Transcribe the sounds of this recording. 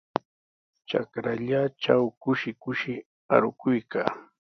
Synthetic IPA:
t͡ʃa̰kɾaʎat͡ʃawkʊʃɪkʊʃɪ | a̰ɾʊkʊjka̰ː

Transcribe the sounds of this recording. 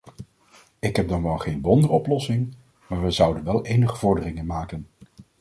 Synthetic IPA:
ɪkɦɛb̚dɑnʋɑlˠχejnʋɔndəɔplɔsɪŋ | maːɹʋəzʌwdənʋɛlˠejnəχəv̥ɔɹdərɪŋənmaːkən

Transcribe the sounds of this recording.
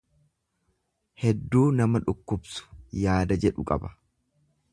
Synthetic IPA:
hɛd̪ːuːnɐmɐᶑʊkːʊbsʊ̥jaːd̪ɐd͡ʒɛᶑʊkʼɐ̰bɐ̥

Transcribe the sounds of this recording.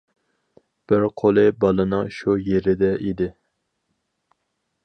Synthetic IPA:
b̥ɪɾqʰolˠɨbɑlˠɨnɨŋʃujeɾɪd̪ɛʔid̪ɪ

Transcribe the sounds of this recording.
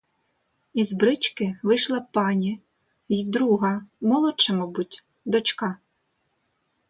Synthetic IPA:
izbɾɪt͡ʃkɪʋɪʃlˠɐpɑnʲi | jd̪ɾuɦɐmɔlˠɔt͡ʃɛmɔbutʲ | d̪ɔt͡ʃkɑ

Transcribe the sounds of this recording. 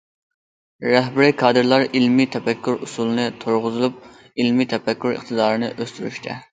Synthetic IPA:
ɾɛɦbɪɾɪkʰɑːd̪ɨɾlˠɑɾilmit̪ʰɛfɛkʲʰːuɾusulˠɨnɨt̪ʰoɾʁʊzɨlˠup̚ | ilmit̪ʰɛpɛkʲːuɾɨ̰χt̪ʰɨd̪ɑːɾɨnɨʔøst̪yɾy̰ʃt̪ʰɛ̰

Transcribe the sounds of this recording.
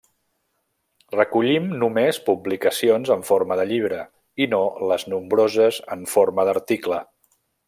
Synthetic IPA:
rəkuʎimnumespublikəsionzəɱfoɾməðəʎiβ̞ɾə | inoləznumbɾozəzəɱfoɾməðəɾt̪iklə

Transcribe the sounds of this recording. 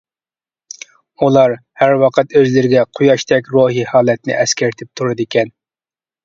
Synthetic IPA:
ulˠɑɾhæɾwɑqʰət̪øzlɪɾɪɡʲɛqʰujɑʃt̪ʰɛkʲɾoːɦihɑːlˠɛt̪nɪ̰ʔɛskʲæɾt̪ʰɪp̚t̪ʰuɾɨd̪ɪkʲɛn

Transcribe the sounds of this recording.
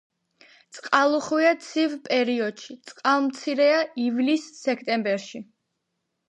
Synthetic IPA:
t̪sʼqʼalˠuχwiat̪sʰivpʼɛɾiɔd̪̥ʃit̪sʼqʼalˠmt̪sʰiɾɛaivlisːɛkʰt̪ʼɛmbɛɾʃi

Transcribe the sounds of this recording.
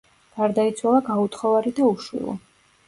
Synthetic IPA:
ɡ̥aɾd̪ait̪sʰwalˠaɡaut̪ʰχɔvaɾid̪auʃwḭlˠɔ̰

